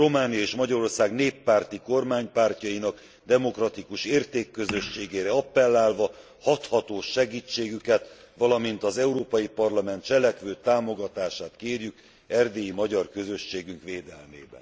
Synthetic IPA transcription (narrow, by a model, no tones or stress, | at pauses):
ro̞maːnijɒeːʃmɒɟɒɾo̞rsaːɡneːpːaːrt̪iko̞rmaːɲpaːrcɒjinɒk | d̪ɛmo̞krɒt̪ikuʃeːrt̪eːkːø̞zø̞ʃːeːɡeːɾɛɒpːɛlːaːlvɒ | hɒt̪hɒt̪oːʃɛɡiːt͡ʃːeːɡykɛt̪ | ʋɒlɒmint̪ɒzɛuɾoːpɒjipɒrlɒmɛnt̪t͡ʃɛlɛkʋøːt̪aːmo̞ɡɒt̪aːʃaːt̪keːrjyk | ɛrd̪eːjimɒɟɒrkø̞zø̞ʃːeːɡyŋkʋeːd̪ɛlmḛːbɛ̰n